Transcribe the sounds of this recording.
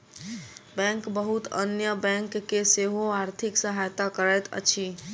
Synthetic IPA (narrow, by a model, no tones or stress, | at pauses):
bɛ̃ŋkbəɦut̪ə̰njəbɛ̃ŋkːeseɦoaɾt̪ʰiksəɦajt̪akəɾɛt̪ə̰t͡ʃʰi